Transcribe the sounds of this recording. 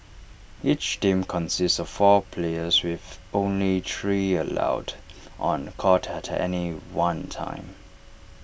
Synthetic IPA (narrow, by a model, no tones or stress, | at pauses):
it͡ʃtĩmkʰɔ̃nsɪstsɔv̥fɔpʰleɪəzwɪðõʊ̃nlitʰɹiəla̰ʊdʔə̃nkʰɔtʰətʰɛ̰niwãntʰã̰ɪ̃m